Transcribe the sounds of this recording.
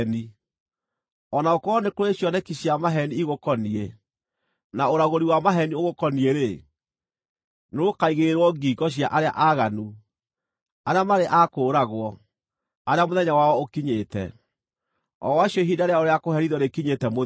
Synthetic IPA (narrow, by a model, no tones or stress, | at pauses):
ni | ɔnaokɔnekoɾoeɕjɔnɛkiɕjamaɦɛniːɣokɔnie | naoɾaɣoɾiwamaɦɛnioɣokɔnieɾe | nookaiɣeɾwɔɡiɡɔɕ̬ja̰ʔaɾea̰ʔaɣanu | aɾeamaɾeʔakoːɾaɣwɔ | aɾeamoðɛɲawaɔokiɲeːtɛ̰ | ɔ̰waɕjɔɦidaɾeaoɾeakohɛɾiðɔnekiɲetɛmo